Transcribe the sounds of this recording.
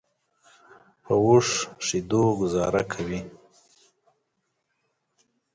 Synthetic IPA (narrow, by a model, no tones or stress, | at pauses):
pʰəwuʂʂid̪oɡʊzɑɾakʰawi